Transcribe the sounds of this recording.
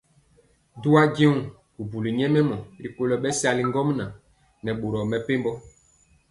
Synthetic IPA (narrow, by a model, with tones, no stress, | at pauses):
du˦a˦ɟe˦wu˨ | ku˨bu˨li˨ɲɛ˦mɛ˦mɔ˨ɾi˨ko˦lɔ˨ɓɛ˦sa˨li˨ŋɡɔ˦mna˨ | nɛ˨ɓo˨ɾɔ˨mɛ˨pe˦mbɔ˦